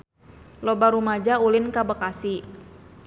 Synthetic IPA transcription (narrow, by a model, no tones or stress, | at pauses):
lɔbaɾumad͡ʒaulɪnkabakasi